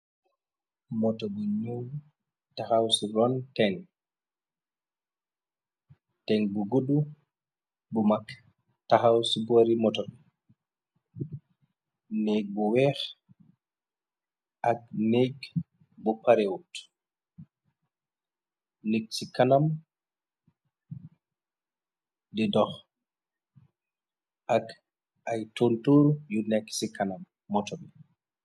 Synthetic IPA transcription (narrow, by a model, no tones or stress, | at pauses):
mɔtɔɗɔɲow | tahawsiɾɔntɛn | tɛnbuɡoɗu | bɔmak | taɦawsiboɾimɔtɔɗ | neɡ̚bɔwɛx | ʔak̚nɛɡ | bɔpaɾɛwut | neksikanam | dɛdɔx | ʔak | ʔajtontuɾjunɛkːsikanamː | ɔtɔbɛ